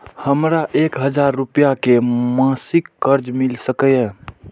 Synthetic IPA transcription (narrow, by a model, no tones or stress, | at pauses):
həmɾaʔekɦəd͡ʒaɾːupijakemãsikːəɾd͡ʒmilsəkəjɛ̃